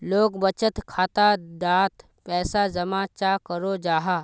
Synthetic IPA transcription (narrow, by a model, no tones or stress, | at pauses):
loːɡbət͡ʃət̪kʰaːt̪ad̪aːt̪ | pɛːsazɐmaːt͡ʃakəɾod͡ʒaːɦaː